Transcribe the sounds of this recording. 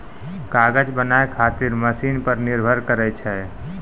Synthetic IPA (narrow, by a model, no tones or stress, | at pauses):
kaɡəd͡ʒbənaekʰat̪iɾməsiːnpəɾniɾbʱəɾkəɾɛt͡ʃʰɛ